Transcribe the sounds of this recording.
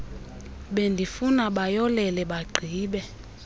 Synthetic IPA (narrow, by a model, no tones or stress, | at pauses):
ɓendʱifunaɓajɔlɛlɛɓaɡ͡ǀʱiːɓɛ